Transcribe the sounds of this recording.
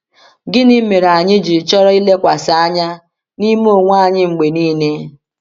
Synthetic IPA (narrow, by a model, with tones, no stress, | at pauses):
ɡɪ˦nɪ˦me˨ɾa˨ɲɪ˦d͡ʒi˨t͡ʃɔ˦ɾɔ˦i˦le˦kʷa˨sa˨˦a˦ɲa˦ | ni˦m˦o˦˨ŋʷ˦a˦˨ɲɪ˦ŋ͡m̩˨ɡ͡be˨niː˦ne˦